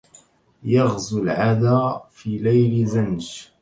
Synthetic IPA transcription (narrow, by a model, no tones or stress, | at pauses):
jɑɣzʊlʕad̪aːfiːlajlzanʃ